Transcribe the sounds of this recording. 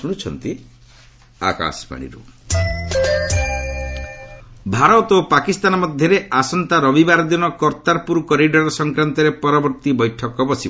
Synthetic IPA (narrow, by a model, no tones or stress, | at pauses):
uɽ̃ut͡ʃʰɔ̰nt̪i | a̰ka̰spa̰ɽ̃ḭɾṵ | bʱaɾɔt̪opakist̪anɔmɔd̪ʱjɔɾeʔasɔnt̪aɾɔbibaɾd̪inɔkɔɾt̪aɾpuɾkɔɾiɖɔɾɔsɔŋkɾant̪ɔɾepɔɾɔbɔɾt̪ibɔjʈʰɔkɔbɔsi